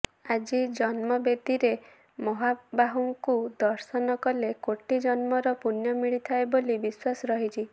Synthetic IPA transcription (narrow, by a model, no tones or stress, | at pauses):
ad͡ʒid͡ʒɔnmɔbed̪iɾe | mɔɦabaɦuŋkud̪ɔɾsɔnɔkɔlekoʈid͡ʒɔnmɔɾɔpunjɔmiɭit̪ʰaebolibiswasɔɾɔɦit͡ʃʰi